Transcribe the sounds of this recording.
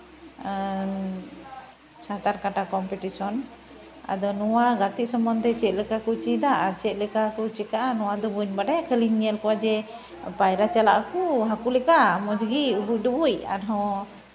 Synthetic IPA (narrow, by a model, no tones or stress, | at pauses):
sat̪aɾkaʈakɔmpɛʈisɔn | a̰d̪ɔnɔwaɡat̪it̪̚sɔmɔnd̪ɛt͡ʃɛt̪̚lɛkakut͡ʃid̪aʔat͡ʃɛt̪̚ˀlɛkakɔt͡ʃɛkaʔanɔwad̪ɔbuɲbaɖaakʰəliɲːiɛlkɔwad͡ʒɛ | pajɾat͡ʃalaʔakɔɦakulɛkamɔd͡ʒɡiubuc̚ˀdubuja̰nɦɔ̃